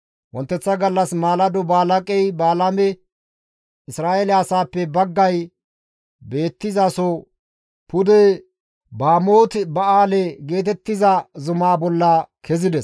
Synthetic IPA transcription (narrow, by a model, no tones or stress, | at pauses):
wɔnt̪ːɛt͡sːɐɡɐlːɐsmaːlɐd̪ɔbaːlɐkʼɛjbaːlɐmɛ | ɪsɾaːʔeːlɪɐsaːpːɛbɐɡːɐj | be̞ːt̪ːɪzasɔ | pʊd̪ɛ | baːmoːt̪bɐaːlɛɡe̞ːt̪̬ɛt̪ːɪzɐzʊmaːbɔlːɐkʰɛzɪd̪ɛs